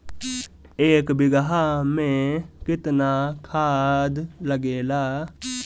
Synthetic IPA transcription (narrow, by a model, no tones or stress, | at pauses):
eːkbɪɡəɦaːmẽkɪt̪naːkʰaːd̪ləɡeːlaː